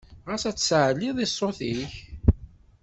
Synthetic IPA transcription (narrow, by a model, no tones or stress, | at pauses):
ʁəsæt͡sːsʕlːiðˤisˤːoθiç